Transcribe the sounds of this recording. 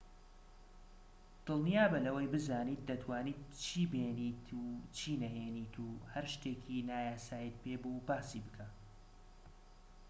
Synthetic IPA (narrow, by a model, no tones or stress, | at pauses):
d̪̥ɨlˠnijaːbɐlɐwɐjbɨzaːniːt̪̚d̪ɐt̪ʰwaːniːt̪̚t͡ʃʰiːbeːnit̪ʰut͡ʃʰiːnɐɦeːniːt̪ʰuːhɐɾʃt̪eːkʰinaːjaːsaːjit̪̚pʰeːbubaːsiːbɨkʰa